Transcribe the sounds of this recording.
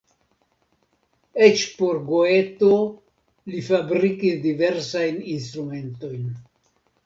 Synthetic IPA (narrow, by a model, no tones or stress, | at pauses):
et͡ʃpo̞ɾɡo̞e̞to | lifabɾikisdive̞ɾsajninst̪ɾume̞nto̞jn